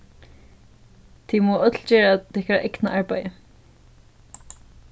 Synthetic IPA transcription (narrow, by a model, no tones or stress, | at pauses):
t̪ʰimɔːʔœt̪ʰl̩t͡ɕɛːɹat̪ɪhkaɹaʔɛknaʔaɹpajə